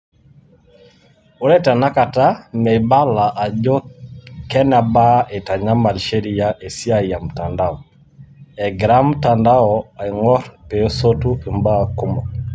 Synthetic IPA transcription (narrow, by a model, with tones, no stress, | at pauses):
u˦ɾɛ˦ta˨na˦ka˨ta˦mɛ˨ba˦la˨ʔa˨d͡ʒo˦kɛ˦na˨ba˦ʔe˨ta˨ɲa˦ma˨lʃe˦ɾi˦˨ja˦ʔe˨si˦a˨i˨ja˨m̩˨ta˨nda˦ɔ˨ | ɛ˨ɡɾa˦m̩˦ta˨nda˦ɔ˨a˨i˨ŋɔ˦ɾpe˨˦so˦tu˦e˨mba˦˨ku˦mɔ˨